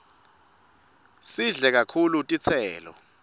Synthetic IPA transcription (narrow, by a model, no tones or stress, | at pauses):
siɮɛk̬akʰulutʼit͡sʰɛːlɔ̰